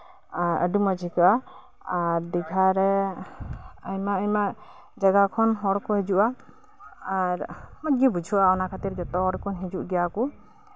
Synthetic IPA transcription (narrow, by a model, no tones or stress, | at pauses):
aɾə̰ɖumad͡ʒʱikaa | aɾd̪iɡʱaɾɛ | əjmaəjmaʔ | d͡ʒaɡakʰɔnɦɔɾkɔɦɛd͡ʒuʔa | aɾmɔt̪̚ɡibud͡ʒʱuʔaɔnakʰat̪iɾd͡ʒɔt̪ɔɾkʰɔnɦid͡ʒuʔɡɛjaku